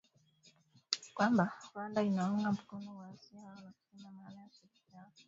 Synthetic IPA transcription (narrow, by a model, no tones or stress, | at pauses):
kwambawandainaɔŋɡam̩kɔnɔwaasianatiɲamaːnajasikia